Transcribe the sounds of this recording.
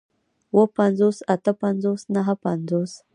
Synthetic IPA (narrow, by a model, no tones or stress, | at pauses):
wəpanzosat̪əpanzosnaɦəpanzos